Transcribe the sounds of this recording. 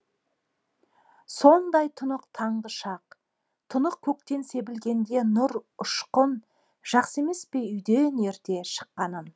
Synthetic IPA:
so̞nd̪ɑjt̪ʰʊnəqt̪ʰɑɴʁəʃɑq | t̪ʰʊnəq̚kʲʰːɵk̚t̪e̞nse̞bɪlɡʲe̞nd̪e̞nʊɾʊʃqən | ʒ̥ɑqsəe̞me̞spe̞ʏjd̪ene̞ɾt̪e̞ʃə̥qːɑnən

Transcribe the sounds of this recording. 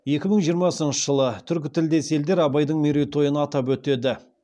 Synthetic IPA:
je̞kʲɪməɴʒijəɾmɑsənʃəʒ̥əlˠət̪ʰʏɾkʲɪt̪ʰɪld̪e̞se̞ld̪e̞ɾɑbɑjd̪əɴmeɾet̪ʰo̞jənɑt̪ɑpwɵt̪e̞d̪ɪ

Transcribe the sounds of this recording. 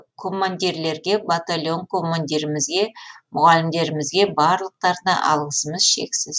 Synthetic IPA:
kʰo̞mːand̪ʲiɾle̞ɾɡʲe̞bat̪alʲjo̞ŋkʰo̞mːand̪iɾɪmɪzɡʲe̞mʊʁɑlʲɪmd̪e̞ɾɪmɪzɡʲe̞bɑɾlˠəq̚t̪ɑɾənɑ̰ʔɑ̰lˠʁəsəməzʃe̞̰ksɪz̥

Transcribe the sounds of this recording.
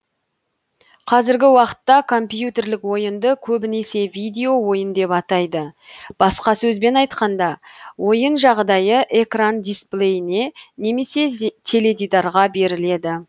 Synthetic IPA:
qʰɑzɪɾɡʲɪwɑqə̥t̪ːɑkʰo̞mpjut̪e̞rlɪkwo̞jənd̪əkʲʰɵbɪne̞se̞vʲijd̪ʲe̞o̞wo̞jənd̪e̞pɑt̪ɑjd̪əb̥ɑsqɑsɵzbe̞nɑjt̪qɑnd̪ɑwʔo̞jənʒɑʁd̪ɑjəʔe̞krand̪ijsplˠe̞jɪne̞ne̞me̞se̞t̪ʲʰe̞le̞d̪id̪ɑɾʁɑbe̞ɾɪle̞d̪ɪ

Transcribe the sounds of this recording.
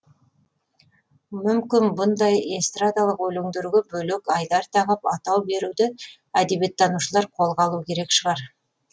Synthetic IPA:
mʏmkʲɪnbʊnd̪ɑjest̪rad̪alˠəqwɵlɪŋd̪eɾɡʲɪbɵlekɑjd̪ɑɾt̪ʰɑʁəpɑt̪ɑwbe̞ɾud̪ɪ | æd̪e̞biet̪ːɑnuʃəlˠɑɾqʰo̞lˠʁɑlˠukʲʰe̞ɾe̞kʃəʁɑɾ

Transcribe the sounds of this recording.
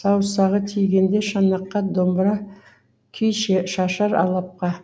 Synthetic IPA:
sɑwsɑʁət̪ʰijɡʲe̞nd̪eʃɑnɑqːɑd̪ombɾɑ | kʲʰejʃeʃɑʃɑɾɑ̰lˠɑp̚qɑ

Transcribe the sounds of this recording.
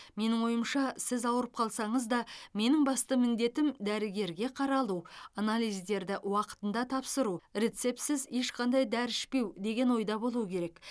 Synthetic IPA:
me̞nɪŋwo̞jəmʃɑsɪzɑwəɾəp̚qʰɑlˠsɑɴəzd̪ɑme̞nɪŋbɑst̪əmɪnd̪e̞t̪ɪmd̪æɾɪɡʲe̞ɾɡʲe̞qʰɑɾɑlˠuanalˠijzd̪e̞ɾd̪ɪwɑqə̥t̪ənd̪ɑt̪ʰɑpsəɾurʲet̪se̞p̚t̪sɪze̞ʃqʰɑnd̪ɑjd̪æɾɪʃpe̞wd̪e̞ɡʲe̞nwo̞jd̪ɑbo̞lˠuəkʲʰe̞ɾe̞k

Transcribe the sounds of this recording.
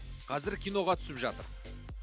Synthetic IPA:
qʰɑzɪɾkʲʰijno̞ʁɑt̪ʰʏ̥sɪpʒɑt̪ə̰ɾ

